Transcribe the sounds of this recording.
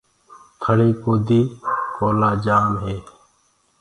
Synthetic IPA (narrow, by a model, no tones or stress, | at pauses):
t̪ʰəɽeːkoːd̪iːkoːlaːd͡ʒaːmɦeː